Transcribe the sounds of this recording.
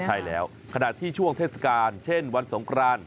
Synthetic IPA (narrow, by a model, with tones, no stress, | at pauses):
t͡ɕʰa˥˩jlɛː˦˥w | kʰa˧na̰˨˩t̪ʰiː˥˩t͡ɕʰu˥˩əŋt̪ʰeː˥˩t̪̚sḁ˧kaː˧nt͡ɕʰe˥˩nwa˧nso˩˦ŋkɾaː˧n